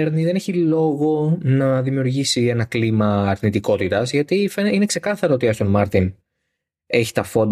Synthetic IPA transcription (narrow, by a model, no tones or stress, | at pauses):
eɾniðe̞ne̞çilo̞ɣo̞nɐðimiuɾʝisie̞nɐklimɐːɾnit̪iko̞t̪it̪ɐzʝɐt̪ifeine̞kse̞kɐθɐɾoot̪iɐst̪onmɐɾt̪in | e̞çi̥t̪ɐfo̞n